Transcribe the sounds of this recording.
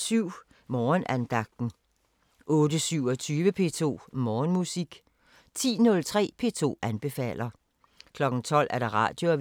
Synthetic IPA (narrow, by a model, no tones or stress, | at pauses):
syʊ̰ | mɒːnʔænd̥ɑ̈ɡ̥̚d̥n̩ | ʔɔ̽ːdəsyʊɒt͡sʰyːʋəpʰe̝̰t͡sʰo̝̰ːmɒːnmusiɡ̥ | t͡sʰḭːnɔ̽lt͡sʰʁɛ̰ːpʰe̝̰ːt͡sʰo̝̰ːænb̥e̝fɛ̰ːl̰ɐ | kʰlɒ̽ɡ̥n̩t͡sʰɒ̽l̰æɐɾ̥ɑ̈ʁɑ̰̈ːd̥jo̝æ